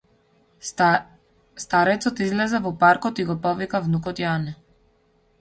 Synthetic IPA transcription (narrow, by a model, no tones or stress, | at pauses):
st̪aɾɛt̪sɔt̪izlɛzavɔpaɾkɔt̪iɡɔpɔvikavnukɔt̪janɛ